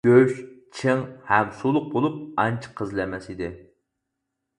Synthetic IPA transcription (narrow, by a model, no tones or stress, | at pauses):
øʃt͡ʃʰɨŋhɛmsulˠʊq̚bolˠup̚ɑnt͡ʃʰə̥qʰəzlɛmɛsid̪ɪ